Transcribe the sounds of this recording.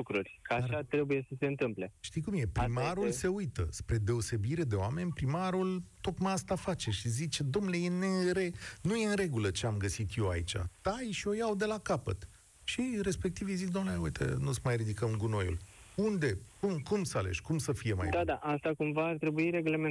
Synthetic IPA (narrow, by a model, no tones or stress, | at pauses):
kɾurʲkəaʃat̪ɾe̞buje̞səseɨnt̪ɨmple̞ʃt̪ikumje̞pɾimaɾulse̞ujt̪ə̰spɾe̞d̪e̞o̞se̞biɾe̞d̪e̞oame̞nʲpɾimaɾult̪o̞kmajast̪afat͡ʃe̞ʃizit͡ʃe̞d̪o̞mnle̞jeneɾe̞nuje̞ɨnɾe̞ɡulət͡ʃe̞amɡəsit̪je̞wa̰it͡ʃa̰t̪ajʃio̞jawd̪e̞lakapə̰t̪ | ʃiɾe̞spe̞kt̪ivjezikd̪omneaujt̪ʰḛnusəmajrid̪ikəmɡuno̞jṵl | und̪e̞kumkumsalḛʃkumsəfije̞ma̰jd̪ad̪aʔast̪akumvaːrt̪ɾe̞buiɾe̞ɡleme